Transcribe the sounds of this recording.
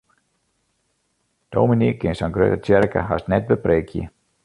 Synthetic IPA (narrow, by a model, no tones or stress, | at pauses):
d̥owminikːɪnsanɡrø̰tət͡ɕɛrkə̰ɦa̰snɛt̚bəpreːkʰjə̰